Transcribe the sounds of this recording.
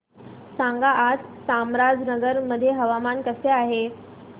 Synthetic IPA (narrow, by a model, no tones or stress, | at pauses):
sãŋɡaʔːd͡zsamɾad͡znəɡəɾməd̪ʱːjeɦəʋamankəseaɦe